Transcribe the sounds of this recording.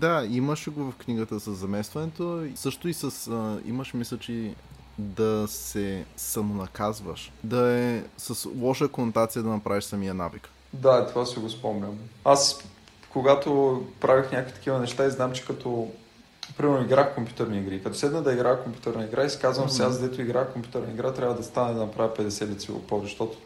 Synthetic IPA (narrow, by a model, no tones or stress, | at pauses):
d̪aiməʃɡovɐfkniɡət̪əsəzːɐmɛst̪vɐnɛt̪osɤʃt̪oisəsḭməʃmisət͡ʃi | d̪ɐsɛsɐmonɐkazvə̰ʃd̪ɐɛsɐslˠɔʃəkonot̪at̪sijəd̪ɐnɐpɾaviʃsɐmijəna̰vik | d̪at̪ovasiɡospɔmnʲəmas | koɡat̪opɾʔavixnʲakovit̪ɐ̥kʲivənɛʃt̪aiznamt͡ʃɛ̥kɐt̪ʰɔ | pɾimɛɾnoiɡɾaxkompju̥t̪ɛɾniːɡɾiːkɐt̪ɔsɛd̪nəd̪ɐiɡɾaxkompʲju̥t̪ɛɾnɐiɡɾaisi̥kazvəmsiazɡd̪ɛt̪ʊiɡɾaxkompʲjut̪ɛɾnəiɡɾat̪ɾʲavəd̪ɐst̪anɛd̪ɐnɐpɾavʲəpɛd̪ɛsɛd̪it̪sio̰pɔd̪ɛʃt̪ɔt̪ʊ̥